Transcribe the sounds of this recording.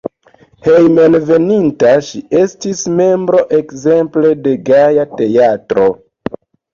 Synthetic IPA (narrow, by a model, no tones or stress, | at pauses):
he̞jmenve̞nintaʃie̞stisme̞mbɾo̞ʔe̞kze̞mple̞de̞ɡajate̞atɾo̞